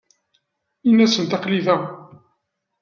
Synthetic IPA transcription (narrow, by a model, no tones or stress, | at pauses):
inːæsənt̪ɑqliðæ